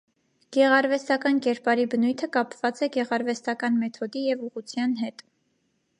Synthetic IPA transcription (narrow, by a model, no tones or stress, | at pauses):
ɡ̥ɛʁɑɾvɛst̪ɑkɑnkɛɾpɑɾibənujt̪ʰəkɑpv̥ɑt͡sɛɡɛʁɑɾvɛst̪ɑkɑnmɛt̪ʰɔd̪ijɛvuʁut͡sʰjɑnɦɛt̪